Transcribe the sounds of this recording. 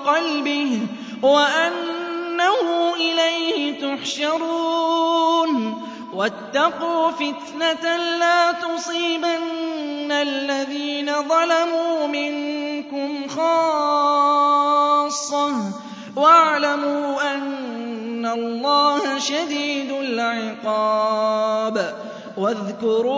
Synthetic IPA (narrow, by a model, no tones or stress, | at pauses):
qɑlbɪh | waʔanːahʊʔɪlajhɪt̪ʊħʃɑɾu | n | wat̪ːɑquːfɪt̪nat̪laːt̪ʊsˤiːbanːalːaðiːnaðˤɑlamuːmɪnkʊmxɑː | sˤːɑ | waʕlamuːʔanː | alˤːɑːhaʃad̪iːd̪ʊlʕɪqɑː | b | waðkʊɾː